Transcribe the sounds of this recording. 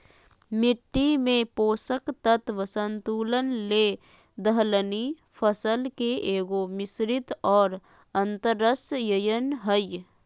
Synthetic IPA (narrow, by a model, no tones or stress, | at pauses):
mɪʈːimẽpoːsəkt̪ət̪ʋəsənt̪uːlənleː | d̪əɦləni | pʰəsəlkeeːɡomɪsɾɪt̪ɔːɾ | ə̃nt̪əɾːəsjəjənɦəj